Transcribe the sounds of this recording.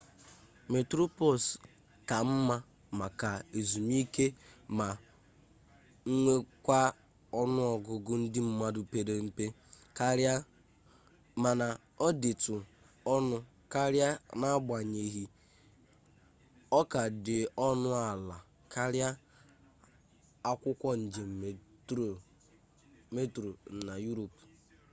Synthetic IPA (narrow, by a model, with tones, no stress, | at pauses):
me˨tɾo˦po˨s | ka˨m̩˦ma˦ | ma˨ka˨e˨zu˨m˦i˦ke˦ma˨ | ŋ̩˦ŋʷe˦kʷa˦ | ɔ˦nʊ˦ɔ˨ɡʊ˨ɡʊ˦n̩˦dɪ˦m̩˦ma˦dʊ˨pe˨ɾe˨m̩˦pe˦ | ka˦ɾa˦ | ma˨na˨ | ɔ˦dɪ˨tʊ˨ | ɔ˦nʊ˦ | ka˦ɾja˦na˦a˦bʷa˨ɲe˨ɦi˦ | ɔ˦ka˨dɪ˨ɔ˦nʊ˦a˨la˨ | ka˦ɾja˦ | a˦kʷʊ˦kʷɔ˦n̩˨d͡ʒe˨m̩˨ | me˦tɾo˨n̩˨na˨ju˦ɾo˨p